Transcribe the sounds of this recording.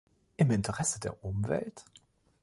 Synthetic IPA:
ʔɪmɪntʰəʁɛsədeːɐʔʊmvɛ̰lt

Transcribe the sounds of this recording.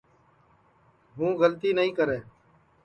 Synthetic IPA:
ɦũːɣəlt̪iːnəɦĩːkəɾeː

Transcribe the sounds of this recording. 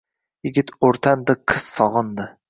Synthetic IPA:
jɪɡʲɪt̪oɾt̪ʰand̪ɨqʰɨz̥sɒʁɨnd̪ɨ

